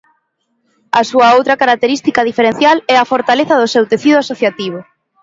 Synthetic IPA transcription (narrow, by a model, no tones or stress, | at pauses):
ɐsuɐowt̪ɾɐkaɾak̚t̪eɾist̪ikɐðifeɾẽn̟θjalɛafoɾt̪aleθɐðʊsewt̪eθiðʊasoθjat̪iβ̞ʊ